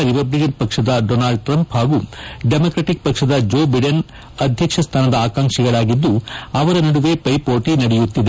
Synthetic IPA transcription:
ɾipɐblikɐnpɐkʂɐd̪ɐɖonaːɭɖ̚ʈɾɐmphaːɡuɖemoːkɾɐːʈik̚pɐkʂɐd̪ɐd͡ʒoːbɐjɖɐn | ɐd̪ʱjɐkʂɐst̪ʰaːnɐd̪ɐaːkaːŋʂiɡɐɭaːɡid̪ːuɐʋɐɾɐnɐɽuʋe̞pɐjpoːʈinɐɽɛjut̪ːid̪e

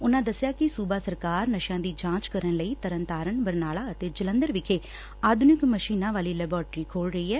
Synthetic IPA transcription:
ʊnãːd̪əsːɪjaːkɪsuːbaːsəɾkaːɾnəʃjãːd̪iːd͡ʒãːt͡ʃkəɾənləiːt̪əɾənt̪aːɾəɳbəɾnaːlaːət̪eːd͡ʒələ̃nd̪əɾʋɪkʰeː | aːd̪ʱʊnɪkməʃiːnãːʋaːliːlɛːbɔːɾʈɾiːkʰoːlɾəiːɛː

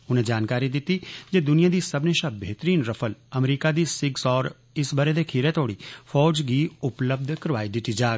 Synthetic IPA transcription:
ʊnẽːd͡ʒaːnkaːɾid̪ɪt̪ːiːd͡ʒeːd̪ʊnɪjãːd̪iːsəbneʃaːbeːt̪əɾiːnɾəpʰələmɾiːkad̪iːsɪɡsɔːɾ | ɪsbəɾed̪eːkʰiɾet̪oːɽiːpʰɔːd͡ʒɡiːʊpləb̚d̪ʱkəɾʋaːid̪ɪt̪ːid͡ʒaːɡ

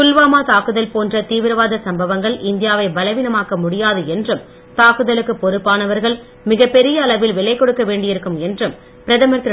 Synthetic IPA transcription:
kʊlʋaːmaːt̪aːkɯðɐlpoːndrɐt̪iːʋɪɾɐʋaːðɐsɐmbɐʋɐŋɡɐɭʔɪnd̪ɪjaːʋɐɪbɐlɐɪʋɪnɐmaːkɐmʊɽɪjaːðɯɛndrɯm | t̪aːkɯðɐlɯkːɯpːɔɾɯpːaːnɐʋɐɾɣɐɭ | mɪɣɐpːɛɾɪjɐːɭɐʋɪlʋɪɭɐɪkːɔɽɯkːɐʋeːɳɖɪjɪɾɯkːɯmɛndrɯm | pɪɾɐðɐmɐɾt̪ɪ

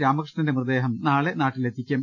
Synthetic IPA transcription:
ɾaːmɐkrʂɐnindemrd̪eːɦɐmnaːɭenaːʈːilet̪ʰːikʲːɐm

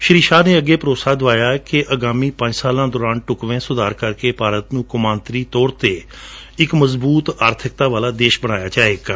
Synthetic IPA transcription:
ʃɾiːʃaːneːəɡeːpəɾoːsaːd̪ʊʋaːjaːkɪʔəɡaːmĩːpə̃ɲd͡ʒsaːlãːd̪ɔːɾaːnʈʊkʋẽːsʊd̪aːɾkəɾkeːpaːɾət̪nũːkʊmãːnt̪ɾiːt̪ɔːɾt̪eː | ɪkməzbuːt̪aːɾt̪ʰɪk̚t̪aːʋaːlaːd̪eːʃbəɽ̃aːjaːt͡ʃaːeːɡaː

